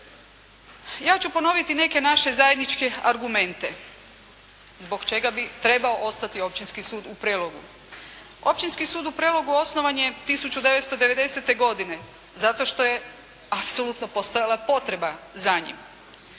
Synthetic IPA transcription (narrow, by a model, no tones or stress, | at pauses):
jaːt͡ɕupo̞no̞ʋit̪ine̞ke̞naʃe̞zajed̪nit͡ʃke̞aɾɡume̞nt̪e̞ | zbo̞kt͡ʃe̞ɡabit̪ɾe̞baoʔo̞st̪at̪io̞p̚t͡ɕinskisuːd̪upɾelo̞ɡṵ | o̞pt͡ɕinskisuːd̪upɾelo̞ɡuo̞sno̞ʋanjet̪isut͡ɕud̪e̞ʋet̪st̪od̪eʋe̞d̪e̞se̞t̪e̞ɡo̞d̪ine̞ | zat̪o̞ʃt̪o̞je̞ | apso̞lut̪nopost̪o̞jalˠapo̞t̪ɾe̞bazaɲḭm